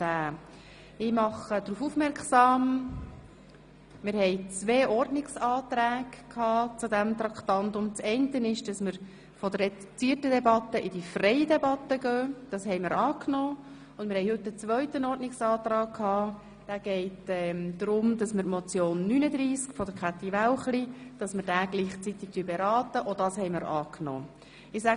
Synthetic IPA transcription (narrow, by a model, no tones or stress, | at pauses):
æː | ɪmɑχəd̥ɾuːfufmɛɾksɑːm | mɪɾhɛɪt͡sʋeːʔɔrdnɪksɑːt̪ɾæːɡkʰhɑːt͡sudæmt̪ɾɑkt̪ɑnt̪ʊmt͡sɛɪntənɪʃd̥ɑsməɾ | fɔdəɾɛt͡siːətədɛbɑt̪əʔɪdifrɛjədɛbɑt̪ːəɡœːd̥ɑshɛɪmɪɾɑːknɔː | ʊndmɪɾhɛɪɦɵtːət͡sʋœʏtənɔːɾtnɪksɑːt̪ɾɑːkkʰhɑː | d̥æːɡ̥ɛɪtɛmd̪ɾʊmd̥ɑsməɾtmɔt͡sjoːnːynəd̪ɾiːskfɔdəɾkʰat̪ːiʋawχlid̥ɑsmɪɾdæːɡ̥liːχt͡sit̪ɪk̚tyəbɛɾɑːtəʔodɑshɛɪmɪɾɑ̰ːkno̰ː | ɪsæ